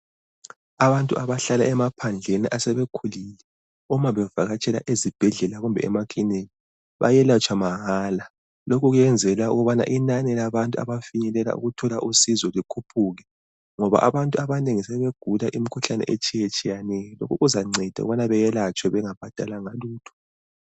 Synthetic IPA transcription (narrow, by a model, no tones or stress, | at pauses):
aβantʼuaβaɬala̰ɛmapʰand͡ɮʱenḭʔasɛβekʰulilɛ | umaβɛvaɣat͡ʃʼɛla̰ʔezib̥ʱɛɮɛlaɣumbʱɛ̰ɛ̰makʼineli | βa̰jɛlat͡ʃʰʼwamaɦaːla | lokʰuɣujɛnd͡zʱɛlaṵɣuβana̰ʔinanɛlaβantʼua̰βafiɲɛlɛla̰ʔṵɣutʰɔlaʔusizɔlikʰupʰuɣɛ | ŋɔβa̰ʔa̰βantʼuaβaneŋisɛβeɡ̥ʱulaʔimikʰuɬanɛ̰ʔḛt͡ʃʼʰijet͡ʃʼijanɛjɔlo̰kʰuɣuzaŋ͡ǀʱɛd̥ʱa̰ṵɣuβanaβɛjɛlat͡ʃʼwɛβɛŋab̥ʱad̥ʱalaŋaluːtʰɔ̥